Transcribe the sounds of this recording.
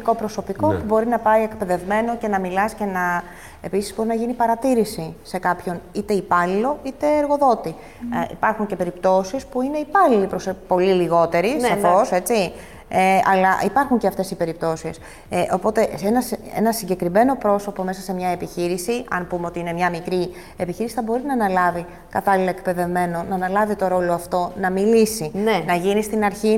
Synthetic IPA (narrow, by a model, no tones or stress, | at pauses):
ko̞pɾo̞so̞piko̞pubo̞ɾinɐpɐie̞kpe̞ðe̞vme̞no̞ce̞nɐmilɐsce̞nɐ | episizbo̞ɾinɐʝinipɐɾɐt̪iɾisise̞kɐpço̞nit̪e̞ipɐlilo̞it̪e̞ːɾɣo̞ðo̞t̪i | ḭpɐɾxuɲce̞pe̞ɾipt̪o̞sispuine̞ipɐlilipɾospo̞liliɣo̞t̪e̞ɾisɐfo̞se̞t͡si | eɐ̰lɐipɐɾxuɲce̞ɐft̪e̞sipe̞ɾip̚t̪o̞sis | ʔo̞po̞t̪e̞enɐsḛnɐsiɲɟe̞kɾime̞no̞pɾo̞so̞po̞me̞sɐse̞mɲɐepiçiɾisiɐ̰npumeo̞t̪iine̞mɲɐmikɾi | epiçiɾisi̥θɐbo̞ɾinɐːnɐlɐvi | kɐt̪ɐlilɐekpe̞ðe̞vme̞no̞nɐːnɐlɐvit̪o̞ɾo̞lo̞ɐft̪o̞nɐmilisinnɐʝinist̪inɐɾçi